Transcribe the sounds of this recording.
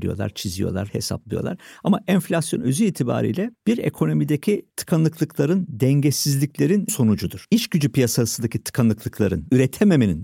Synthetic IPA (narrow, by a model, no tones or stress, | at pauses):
lḭjo̞̰lˠa̰ɾt͡ʃʰizijo̞̰lˠa̰ɾhe̞̰sa̰plˠɯjo̞lˠa̰ɾamaɛnflʲasjo̞nø̞zyiːt̪ʰiba̰ːɾḭjlʲɛb̥iɾḛkʰo̞no̞mid̪ecʰit̪ʰɯ̥kʰanlˠɯklˠɯklˠaɾɯnd̪ɛɲɟɛsizlʲiclʲe̞ɾinso̞nud͡ʒud̪uɾ̥iʃɟyd͡ʒypijasasɯnd̪acʰit̪ʰɯ̥kʰanˠɯklˠɯklˠaɾɯnyɾɛt̪ʰeme̞menin